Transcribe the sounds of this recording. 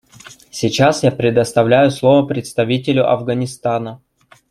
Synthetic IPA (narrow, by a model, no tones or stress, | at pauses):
sʲɪt͡ɕasjapɾʲɪd̪əst̪ɐvlʲæjʊslˠo̞vəpɾʲɪt̪st̪ɐvʲitʲɪlʲʊʔɐ̰vɡɐnʲɪst̪anə